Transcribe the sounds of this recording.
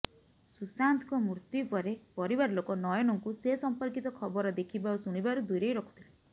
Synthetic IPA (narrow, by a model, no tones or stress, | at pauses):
susant̪ʰkɔmuɾt̪upɔɾepɔɾibaɾlokɔnɔjɔnɔŋkusesɔmpɔɾkit̪ɔkʰɔbɔɾɔd̪ekʰibausuɽ̃ibaɾud̪ujɾejɾɔkʰu̥t̪ʰile